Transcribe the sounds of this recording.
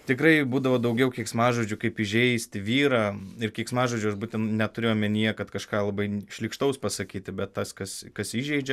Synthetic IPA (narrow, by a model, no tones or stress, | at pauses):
t̪ʲɪkɾɐɪbuːd̪ɐʋoːd̪ɐʊɡʲɛʊkʲiɛksmɑːʒud͡ʒʲʊkɐɪpɪʒʲɛɪsʲt̪ʲɪʋʲiːɾɑːɪrkʲiɛksmɑːʒuːd͡ʒʲʊɐʃbuːt̪ʲɛnnʲɛt̪ʊɾʲeːjomʲɛnʲijɛkɐt̪kɐʃkɑːlˠɐbɐɪʃʲlʲɪkʃt̪ɐʊspɐsɐkʲiːt̪ʲɪbʲɛt̪t̪ɐskɐskɐsiʒʲɛɪd͡ʒʲɛ